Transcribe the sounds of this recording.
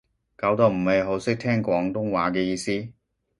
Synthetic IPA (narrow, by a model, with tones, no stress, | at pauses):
kaː˨˥wt̪o˨˧wm̩˨˩mɐ˨jɦo˨˥wsɪ˥k̚t̪ʰɛː˥ŋkʷɔː˨˥ŋt̪ʊ˥ŋwaː˨˥kɛː˧jiː˧siː˥